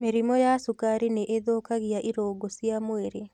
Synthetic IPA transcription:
meɾimɔjasukaɾineʔeðoːkaɣiaʔiɾoːɡosijamoeɾe

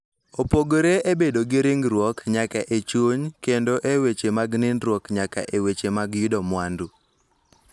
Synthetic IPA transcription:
opoɡoɾeʔebedoɡɪɾɪŋɡɾwɔkɲakaʔet͡ʃwoɲkendoʔewet͡ʃemaɡnɪnɾwɔkɲaka̰ʔewet͡ʃemaɡjʊdɔmwandu

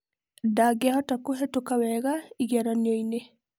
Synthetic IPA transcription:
daɡɛhɔtakoɦɛtokawɛɡaiɡaɾanjoine

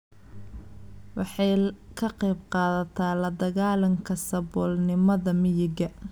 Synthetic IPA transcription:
wɑħɑjkʰɐqɛjbqɑːðɐt̪ʰaːlɐd̪ɐɣaːlɐŋkʰɐsɐbɔːlnɪmɐðɐmɪjɪɡɐ

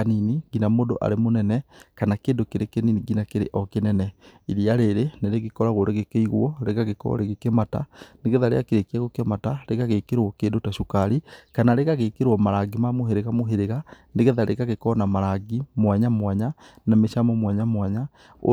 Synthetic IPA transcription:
aniniɡinamoːdoʔa̰ɾemonɛnɛkanakeːndokeɾekeniniɡinakeɾḛʔɔkenɛnɛiɾiaɾeɾeneɾeɣekɔɾaɣoɾeɣekeiɣwɔɾeɣaɣekɔ̰ɾeɣekemata̰neɣeðaɾḛakeɾekiaɣokeɛmataɾeɣaɣekeɾwɔkeːndotaʃokaɾikanaɾeɣaɣekeɾwɔmaɾaɡimamoɦeɾeɣamoɦeɾeɣa | neɣeðaɾʔeɣaɣekɔnamaɾaɡimwɛɲamwaɲanameʃamɔmwɛɲamwaɲa | o̰

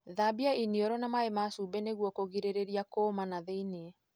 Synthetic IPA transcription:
ðabiainiɔɾɔnamaemasubɛneɣwɔkoɣiɾeɾeɾiakomanaðeineɛ

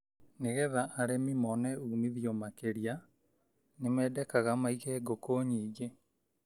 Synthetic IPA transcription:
neɣɛðaʔːɾemimɔnɛuːmiðjomakeɾia | nemɛːdɛkaɣamaiɣɛɡokoːɲiːɡe

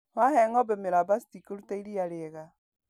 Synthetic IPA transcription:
wahɛŋɔbɛmeɾabasitikoɾutaiɾiaɾeɣa

